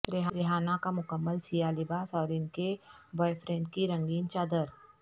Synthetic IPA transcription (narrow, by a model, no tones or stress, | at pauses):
ɾɪɦaɾɪɦaːnakamʊkəmːəlsijalɪbaːsɔːɾɪnkebɔːjfʰɾẽːɳʈ̚kiɾɐ̃ŋɡiːnt͡ʃaːd̪əɾ